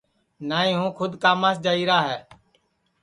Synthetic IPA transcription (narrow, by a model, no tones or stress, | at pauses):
naːĩːɦũːkʰʊd̪kaːmaːsd͡ʒaːiːɾaːɦɛː